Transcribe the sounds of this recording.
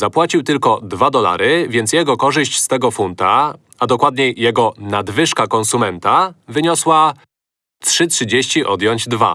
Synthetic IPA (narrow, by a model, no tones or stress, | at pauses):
zapwat͡ɕiwt̪ɘlkɔd̪vad̪ɔla̰ɾɘvʲjɛnt̪sjɛɡɔkɔʐɘɕt͡ɕst̪ɛɡɔfunt̪a | ad̪ɔkwad̪ɲɛjɛɡɔnad̪vɘʂkakɔnsumɛnt̪avɘɲɔswa | tʂɘtʂɘd͡ʑeɕt͡ɕiʔɔd̪jɔɲd͡ʑd̪va̰